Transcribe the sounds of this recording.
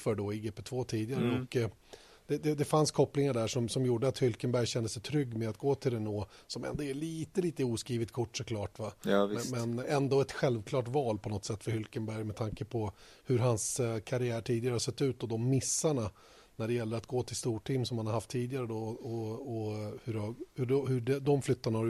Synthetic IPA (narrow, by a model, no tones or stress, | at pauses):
fœɖɔɪɡeːpɛt̪ʰvoːt̪ʰiːd̪ɪɡaɾəɔk | d̪̥ɛd̪ɛd̪ɛfanskʰɔpːlɪŋaɖæʂɔmsɔmjuːɖəat̪hʏlkənbæɾjɕɛnd̪əsɛjt̪ʰɾʏɡːmɛd̪at̪̚ɡoːt̪ʰɪld̪ɛnoːsɔmɛ̰nd̪ɔæɭiːt̪əliːt̪əuːskɾiːvɪt̪̚kʰʊʈːsɔkʰlɑːʈvamɛnɛnd̪ɔɛt̪ɧɛlvkʰlɑːʈvɑːlpʰɔnɔt̪sɛt̪ːfœɾhʏlkənbæɾjmɛt̪ʰaŋkəpʰɔ | hɵɾɦanskʰaɾɪæːʈʰiːd̪ɪɡaɾəhasɛt̪ːʉ̟ːt̪̚d̪ɔd̪ɔmːɪsːaɳa | næɖɛjɛlːəɾat̪̚ɡoːt̪ʰɪlst̪uːʈʰɪmːsɔmhanhaɾhaft̪ʰːiːd̪ɪɡaɾəd̪ɔɔɔhɵɾahɵɔhɵɖɛd̪ɔmflʏt̪ːaɳahaɾ